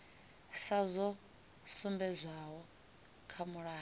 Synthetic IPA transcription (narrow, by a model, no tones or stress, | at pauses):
sazʷɔ | sumbɛzʷaɦɔ | kʰamuɺaː